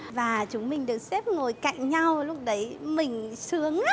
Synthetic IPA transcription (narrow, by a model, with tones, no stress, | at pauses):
vaː˨˩t͡ɕʊ˨˦ŋ͡mmï˨˩ŋ̟ɗɨ˨˩ə˩k̚sɛ˦˥p̚ŋo˨˩jka̰˧˨jŋɲa˧wlʊ˦˥k͡p̚ɗə˨˦jmï˨˩ŋ̟sɨ˨˦əŋ